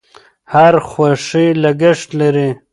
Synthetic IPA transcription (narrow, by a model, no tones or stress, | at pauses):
haɾxwaʂilaɡɪʂt̪laɾi